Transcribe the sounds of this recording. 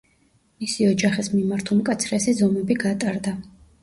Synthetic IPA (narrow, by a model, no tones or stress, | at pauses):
misiɔd͡ʒaχismimaɾt̪ʰulˠmkʼat̪sʰɾɛsizɔmɛbiɡat̪ʼaɾd̪a